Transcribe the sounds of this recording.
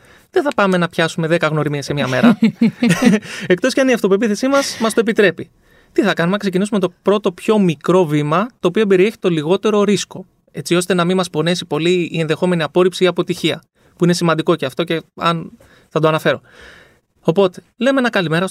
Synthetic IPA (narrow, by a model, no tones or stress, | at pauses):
ðeθɐpɐme̞nɐpçɐsume̞ðe̞kɐɣno̞ɾimiesemɲɐmeɾɐ | ek̚t̪o̞sceɐniɐft̪o̞p̬uep̬iθe̞simɐsmɐst̪oepit̪ɾe̞pi | t̪iθɐkɐnumeɐksecinisumet̪o̞pɾo̞t̪o̞pço̞mikɾo̞vimɐt̪o̞ːpio̞be̞ɾie̞çi̥t̪o̞liɣo̞t̪e̞ɾo̞ɾisko̞ | e̞t͡sio̞st̪e̞nɐmimɐspo̞ne̞sipo̞liːenðe̞xo̞me̞niɐpo̞ɾipsiiɐpo̞t̪içiɐ | puine̞simɐnd̪iko̞ceɐft̪o̞ce̞ɐ̰n | θɐd̪oɐnɐfe̞ɾo̞ | o̞po̞t̪e̞̥ | le̞menɐkɐlime̞ɾɐ